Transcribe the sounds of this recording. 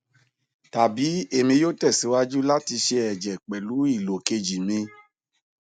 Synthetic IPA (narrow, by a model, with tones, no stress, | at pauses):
ta˨bi˨˦e˦˨mĩ˧joː˦tɛ˦˨si˨˦wa˦d͡ʒu˦la˦ti˧ʃe˧ɛ˨d͡ʒɛ˨k͡pɛ˨lu˨˦i˦˨lo˨ke˧d͡ʒi˨mĩ˧